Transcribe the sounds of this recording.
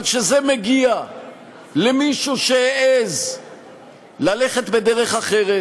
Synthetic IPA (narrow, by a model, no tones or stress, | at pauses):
tʃezemeɡia | lemiʃuʃeeʔez | lale̞χet̪be̞d̪eʁe̞χaχeʁe